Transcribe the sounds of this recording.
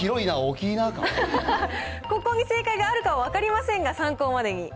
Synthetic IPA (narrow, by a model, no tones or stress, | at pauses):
iɾo̞inaokʲiːnaka̰ | ko̞ko̞ːɲ̟ise̞ːkaiɡaːɾɯ̟kaβaβakaɾʲimasẽŋɡasãŋko̞ːmad̪e̞ɲ̟i